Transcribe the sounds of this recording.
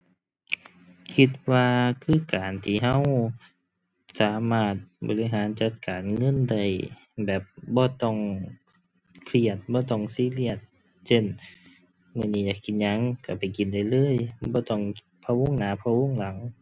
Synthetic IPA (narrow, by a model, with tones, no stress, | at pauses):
kʰi˧˩t̪̚waː˧kʰɯː˧˩˨kaː˨˩nt̪ʰiː˧˩ɦa˧˥˨w | saː˨˦maː˧˩t̪̚bɔ̰˨li˧ɦaː˨˦nt͡ɕa˧˦t̪̚kaː˨nŋɤ˧˥˨nda˧˩j | bɛː˨˩p̚bɔː˧˦t̪ɔ˧˩ŋ | kʰli˧˩ət̪̚bɔː˧˦t̪ɔ˧˩ŋsiː˧˥˨li˧˩ət̪̚ | se˧˨n | mɯː˧˨niː˧˩jaː˧˩kʰi˨˧˦n̚ɲa˧˥˨ŋka˧˩pa˨˩jki˨nda˧˩˨jlɤː˧˥˨jbɔː˧˦t̪ɔ˧˩ŋ | pʰa˧wo˧˥˨ŋnaː˨˦pʰa˧wo˧˥˨ŋla˨˦ŋ